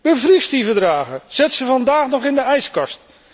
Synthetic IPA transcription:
bəvristivəɹdraːχəz̥ɛtsəvɑndaːχnɔχɪndəɛjskɑst

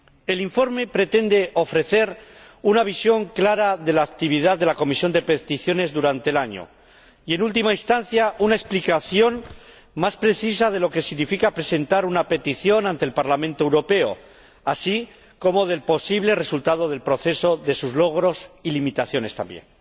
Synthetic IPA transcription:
e̞liɱfo̞ɾme̞pɾe̞t̪e̞nd̪e̞o̞fɾe̞θe̞ɾ | unaβ̞isjo̞ŋklaɾaðe̞laːkt̪iβ̞iðaððelako̞misjo̞nd̪e̞pet̪iθjo̞ne̞zðuɾant̪e̞laɲo̰ | ie̞nult̪̬imainst̪an̟θjaʔunaesplikaθjo̞n | maspɾe̞θis̬að̞e̞lo̞ke̞siɣnifikapɾe̞se̞nt̪aɾunape̞t̪iθjo̞nãnt̪elpaɾlamẽnt̪oewɾo̞pe̞o̞̰ | asi | ko̞moð̞e̞lpo̞siβle̞re̞sult̪að̞o̞ð̞e̞lpɾo̞θe̞so̞ðe̞suzlo̞ɣ̞ɾo̞silimit̪aθjo̞ne̞st̪a̰mbjḛn

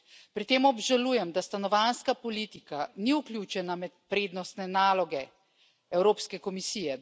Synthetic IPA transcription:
pɾit̪eːmɔbʒalujɛmd̪ast̪anɔʋanskapɔliːt̪ikaniuklʲjuːt͡ʃɛnamɛt̪̚pɾeːd̪nɔst̪nɛnaːlɔɡɛ | ɛwɾoːpskɛkɔmisiːjɛ

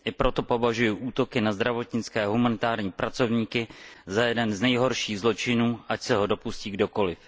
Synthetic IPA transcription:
ʔɪpɾo̞t̪o̞po̞vaʒujʊʔuːt̪o̞kɪnazd̪ɾavo̞t̪ɲɪt͡skɛːɦumanɪt̪aːɾɲiːpɾʔat͡so̞vɲiːkɪzajɛdɛnznɛjɦo̞ɾʃiːɣzlo̞t͡ʃɪnuːʔacsɛɦo̞do̞pusciːɡdo̞ko̞lɪf

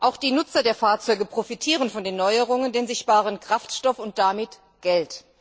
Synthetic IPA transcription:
ʔaʊxd̥iːnʊt͡sɐdeːɐfaːɐt͡sɔʏɡəpʁ̥ofitʰiːʁənfɔndeːnːɔʏəʁʊŋəndeːnzɪçtb̥aːʁənkʁ̥aftʃtɔfʊnt̚d̥amɪt | ɡ̥ɛlt

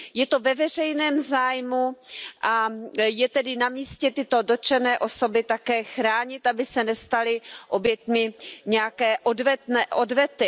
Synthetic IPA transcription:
jɛt̪o̞vɛvɛr̝ɛjnɛːmzaːjmuʔajɛt̪ɛdɪnamiːscɛt̪ɪt̪o̞do̞t͡ʃɛnɛːʔo̞so̞bɪt̪akɛːxɾaːɲɪt̪ʔabɪsɛnɛst̪alɪʔo̞bjɛt̪mɪɲɛjakɛːʔodvɛt̪nɛʔodvɛt̪ɪ

